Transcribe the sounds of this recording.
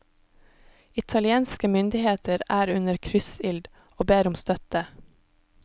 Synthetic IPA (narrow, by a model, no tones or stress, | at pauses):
ɪt̪ʰɑlɪeːnskəmʏnd̪ɪheːt̪ʰəɾæːɾʉnəɾkʰɾʏsɪld̪ | oːbeːɾʊmst̪œt̪ə